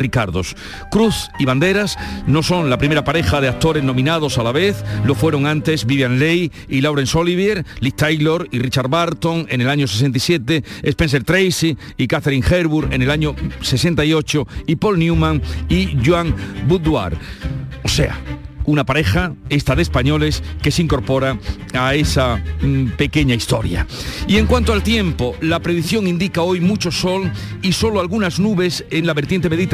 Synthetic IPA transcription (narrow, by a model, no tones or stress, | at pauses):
rikaɾðo̞s | kɾuθiβand̪e̞ɾasno̞sõ̞ŋlapɾime̞ɾapaɾe̞xað̞e̞ak̚t̪o̞ɾe̞zno̞mĩnað̞o̞salaβe̞θlo̞fwe̞ɾo̞ŋãnt̪e̞zbiβjanlej | ilawɾensoliβ̞eɾlit̪ajlo̞ɾirit͡ʃaɾβaɾt̪o̞ŋe̞ne̞laɲo̞ses̬ent̪̬isje̞t̪e̞espense̞ɾt̪ɾejsi | ikaθeɾiŋxe̞ɾβuɾenelaɲose̞se̞nt̪aio̞t͡ʃoipo̞lnjumãŋiʝwaŋbud̪wa̰ɾose̞̰a̰unapaɾe̞xaest̪aðespaɲo̞le̞ske̞siŋko̞ɾpo̞ɾa | aesape̞keɲaist̪o̞̰ɾja̰ie̞ŋkwant̪oalt̪je̞mpolapɾeðiθjo̞ŋind̪ikao̞jmut͡ʃo̞so̞l | iso̞loalɣunaznuβe̞seŋlaβeɾt̪je̞nt̪eme̞ðit̪